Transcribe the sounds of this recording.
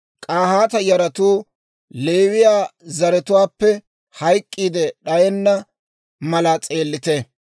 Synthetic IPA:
kʼaːhaːt̪ɐjɐɾɐt̪uː | le̞ːwɪjaːzɐɾɛt̪ʊwaːpːɛ | hɐjkʼːiːd̪ɛɗɐjɛnːɐ | mɐlat͡sʼe̞ːlːɪt̪ɛ

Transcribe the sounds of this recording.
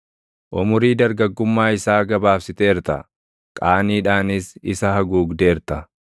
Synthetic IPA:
ʔʊmʊɾiːd̪ɐɾɡɐɡːʊmːaːɪsaːɡɐbaːfsɪt̪eːɾt̪ɐ̰ | kʼaːniːᶑaːnɪsɪsɐhɐɡuːɡd̪eːɾt̪ɐ

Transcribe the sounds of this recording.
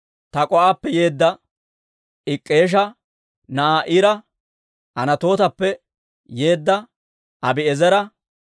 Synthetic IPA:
t̪ɐkʼɔʔaːpːɛje̞ːd̪ːɐ | ʔɪkʼːe̞ːʃ̬ɐ | nɐʔaːʔɪɾɐ | ɐnɐt̪o̞ːt̪ɐpːɛ | je̞ːd̪ːɐ | ʔɐbɪɛzɛɾɐ

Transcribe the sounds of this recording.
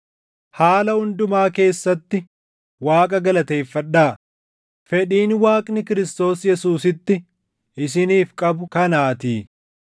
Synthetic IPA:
haːlɐhʊnd̪ʊmaːke̞ːsːɐt̪ːɪ | waːkʼɐɡɐlɐt̪e̞ːfːɐᶑːaː | fɛᶑiːnwaːkʼnɪkɪɾɪst̪o̞ːsjɛsuːsɪt̪ːɪ | ʔɪs̬ɪniːfkʼɐbʊkɐnaːt̪iː

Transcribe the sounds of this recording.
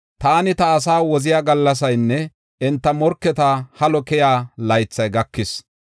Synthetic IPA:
t̪aːnɪt̪ɐːsaːwɔzɪjaːɡɐlːɐs̬ɐjnːɛ | ɛnt̪ːɐmɔɾkːɛt̪ahɐlɔkɛjaːlɐjt͡sːɐjɡɐkːɪs

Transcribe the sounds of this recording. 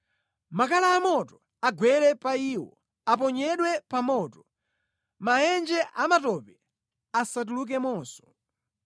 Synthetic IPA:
makalaːmɔtɔ | aɡwɛɾɛpaiːwɔ | ap̬ɔɲɛɗwɛpamɔːtɔ | majɛnd͡ʒɛʔamatɔpɛ | asat̬uluk̬ɛmɔːsɔ̥

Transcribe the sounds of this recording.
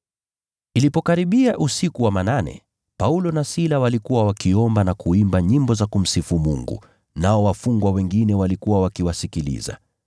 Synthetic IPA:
ilipɔkaɾiɓiaʔusikuwamananɛ̰ | paulɔnasilawalikuwawakiɔmbanakuimbaɲimbɔzakum̩sifumuŋɡṵ | naɔwafuŋɡwawɛŋɡinɛwalikuwawakiwasikilḭza̰

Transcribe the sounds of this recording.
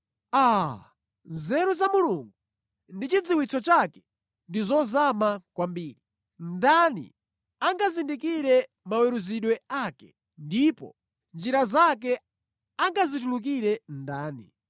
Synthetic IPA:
a | nzɛɾuzamuluŋɡu | ndit͡ʃid͡ziwit͡sʰɔt͡ʃakɛ̥ | ndizɔzamakwambiːɾi | ndanḭ | aŋɡazindikiɾɛ | mawɛɾuziɗwɛaːkɛ̥ | ndipɔ̰ | nd͡ʒiɾazak̬ɛ | aŋɡazituluk̬iɾɛndaːnḭ

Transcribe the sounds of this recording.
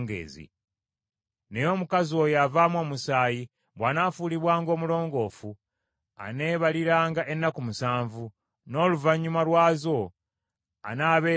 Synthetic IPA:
ŋɡḛːzḭ | nejo̞ːmukazio̞javamwo̞ːmusaːji | βwaːnaːfuːliβwaːŋɡo̞ːmulo̞ːŋɡo̞ːfu | a̰ne̞ːβaliɾaːŋɡaʔe̞nːakumusaːɱvu | no̞luvaɲːumalwaːzo̞ | a̰naːβe̞ː

